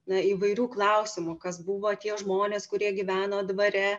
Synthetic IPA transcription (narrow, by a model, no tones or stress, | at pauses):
nɐiːʋɐɪɾʲuːklˠɐʊsʲɪmʊkɐsbuʋoːt̪ʲiɛʒmoːnʲeːskʊɾʲiɛɡʲɪʋʲæːnoːd̪ʋɐɾʲɛ